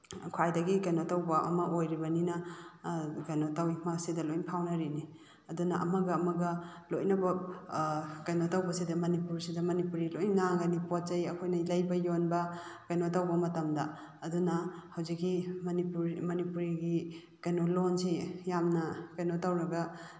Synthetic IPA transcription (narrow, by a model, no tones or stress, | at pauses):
kʰwajdɐɡikɐjnotawbɐʔɐ̰mɐʔojɾibɐninɐ | ɡanotawimɐsidɐlojŋpʰawnɐɾini | ɐdunɐʔɐ̰mɐɡɐːmɐɡɐlojnɐbɐ | kajnotawbɐsidɐmɐnipuɾsidɐmɐnipuɾilojŋŋaɡɐnipotzɐjɐkʰojnɐlɐjbɐjonbɐɡ̥ajnotawbɐmɐtɐmdɐː | dunɐhɐwzikːimɐnipuɾmɐnipuɾiɡi | kɐjnolonsijamnɐkajnotawɾɐɡɐ